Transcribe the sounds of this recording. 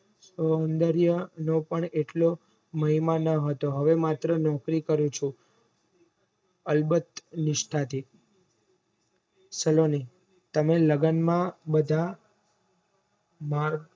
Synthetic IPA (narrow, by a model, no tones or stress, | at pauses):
səoənd̪əɾjənõpəɳeʈlo | məɦimanəɦət̪oɦəʋemat̪ɾənɔkɾikəɾũt͡ʃʰũ | əlbət̪nɪʃʈʰat̪ʰi | səloni | t̪əmeləɡənmãbəd̪ʱa | maɾ